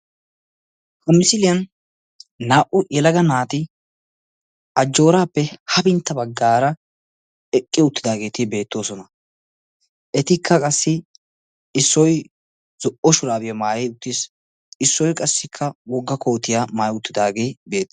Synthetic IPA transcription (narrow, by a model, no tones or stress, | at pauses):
hɐmɪsɪlɪjɐnː | aːʔʊjɛlɐɡɐnaːt̪ɪ | ʔɐd͡ʒːo̞ːɾaːpːɛhɐbɪnt̪ːɐbɐɡːaːɾɐ | ɛkʼːɪʊt̪ːɪd̪aːɡe̞ːt̪ɪbe̞ːt̪ːo̞ːsɔnɐ | ʔɛt̪ɪkʰːɐkʼɐsːɪ | ɪsːɔj | z̥ɔʔɔʃʊɾaːbɪjɐmaːjɛjʊt̪ːɪs | ɪsːɔjkʼɐsːɪkʰːɐwɔɡːɐkʰo̞ːt̪ɪjaːmaːjʊt̪ːɪd̪aːɡe̞ːbe̞ːt̪ː